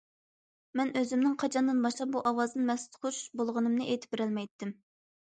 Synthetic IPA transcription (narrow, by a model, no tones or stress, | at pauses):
mɛnʔøzymnɪŋqʰɑt͡ʃʰɑnd̪ɨnbɑʃlˠɑp̚buʔɑwɑzɨnmɛst̪χoʃbolˠʁənɨmnɨʔejt̪ʰɪ̥pbɪɾɛlmɛjt̪ʰːɪm